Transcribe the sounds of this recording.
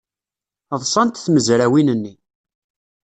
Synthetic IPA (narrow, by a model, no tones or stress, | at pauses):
ðˤsˤɑnt̪θməzɾæwinənːi